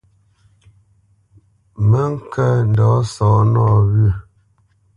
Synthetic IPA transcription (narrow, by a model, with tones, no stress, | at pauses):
mə˦ŋ̩˦kə˦n̩˨dɔ˨˦sɔ˨˦nɔ˦˨βɥə˦˨